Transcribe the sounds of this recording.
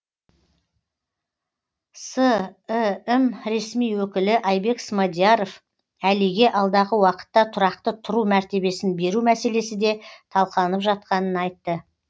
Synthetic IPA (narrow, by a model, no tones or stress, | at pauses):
sə | mɾe̞smijwɵkʲɪlɪʔɑjbe̞ksmod̪ijaɾo̞f | æliɡʲe̞ʔɑlˠd̪ɑʁəwɑqə̥t̪ːɑt̪ʰʊɾɑq̚t̪ət̪ʰʊɾumæɾt̪e̞be̞sɪnbe̞ɾumæse̞le̞sɪd̪e̞t̪ʰɑlˠqɑlˠənəpʒɑt̪̚qɑnənɑjt̪ːə